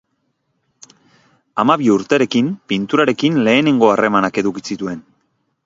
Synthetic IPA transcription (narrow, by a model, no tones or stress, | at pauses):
amaβiuɾt̪e̞ɾe̞kimpint̪uɾaɾe̞kinle̞ːne̞ŋɡo̞are̞manake̞ðukisit̪ue̞n